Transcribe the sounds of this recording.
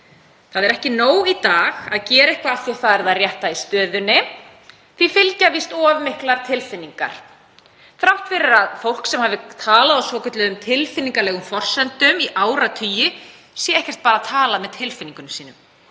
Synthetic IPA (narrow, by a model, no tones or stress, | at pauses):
θaðɛɾɛhcɪnoːwit̪aːɣaðcɛːɾɪhkvaaθjawθaðɛɾðaðrjɛht̪aist̪œːðʏnːɪ | θvifɪlcavist̪ɔːvmɪhklaɾ̥t̪ʰɪlfɪnːiŋka̰ɾ̥ | θɾawht̪fɪɾɪɾaðfowl̥ksɛmhaːvɪt̪ʰaːlaðasvɔːcʏt̪lɪðʏmt̪ʰɪlfɪniŋkalɛːɣʏmfɔr̥sɛnt̪ʏmiʔaːwɾat̪ʰyːjɪ | sjɛɛhcɛr̥t̪̚paːɾat̪ʰaːlamɛðt̪ʰɪlfɪniŋkʏnsiːnʏm